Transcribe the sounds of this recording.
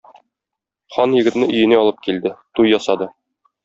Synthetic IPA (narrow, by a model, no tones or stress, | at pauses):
χɒnjɘ̆ɡɘ̆t̪nɘʔɵ̆jɘ̆neɒlˠɤp̚kild̪ɘt̪ujːɒsɑd̪ɤ